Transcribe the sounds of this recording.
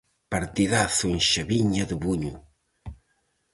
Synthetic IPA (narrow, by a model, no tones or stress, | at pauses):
paɾt̪iðaθuenʃɐβiɲɐðəβuɲu